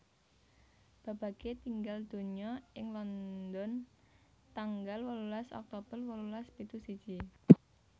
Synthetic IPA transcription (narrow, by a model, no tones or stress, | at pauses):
b̥ä̤b̥ä̤ɡ̥et̪iŋɡald̪̥o̤ɲɔɪŋlɔnd̪ɔn | t̪aŋɡalwəlulasɔ̰k̚t̪ob̥ərwəlulaspit̪usid̥d͡ʒ̥i